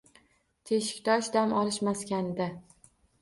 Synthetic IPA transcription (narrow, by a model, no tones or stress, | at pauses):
t̪ʰeʃɪ̥kʲt̪ʰɒʃd̪amʔɒlˠɪʃmaskʲand̪a